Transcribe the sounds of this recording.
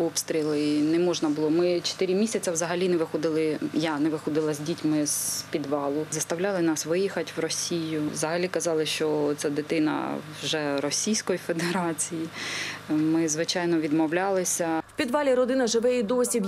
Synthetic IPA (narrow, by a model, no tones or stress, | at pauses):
ɔpst̪ɾʲilˠɪnɛmɔʒnɐbʊlˠɔmɪt͡ʃe̥t̪ɪɾʲimʲisʲɐt͡sʲɐwzɐɦɐlʲinɛʋɪxɔd̪ɪlˠɪjanɛʋɪxɔd̪ɪlˠɐzʲdʲitʲmɪz̥pʲid̪ʋɑlˠʊzɐst̪ɐwlʲɑlˠɪnɑsʋɪjixɐtʲwrɔsʲijʊʋzɐɦɐlʲikɐzɑlˠɪʃt͡ʃɔt̪sɛd̪ɪt̪ɪnɐ̰wʒɛɾɔsʲijsʲkɔjifed̪eɾɑt͡sʲiji | mɪzʋɪt͡ʃɑjnɔʋʲid̪mɔwlʲɑlˠɪsʲɐwpʲid̪ʋɑlʲiɾɔd̪ɪnɐʒɪʋɛjid̪osʲib